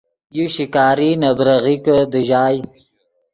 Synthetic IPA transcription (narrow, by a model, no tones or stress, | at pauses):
juʃikaːɾinabɾɐɣikəd̪əʒaːj